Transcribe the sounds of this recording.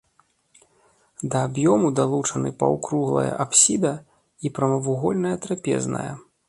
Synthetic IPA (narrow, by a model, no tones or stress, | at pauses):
d̪ɐːbjɔmud̪alˠut͡ʂɐnɨpɐ̰wkɾuɣlˠɐ̰jɐ̰ʔapsʲid̪ɐ | ipɾɐmɐvuɣɔlʲnɐjɐt̪ɾapʲɛ̰znɐ̰jɐ̰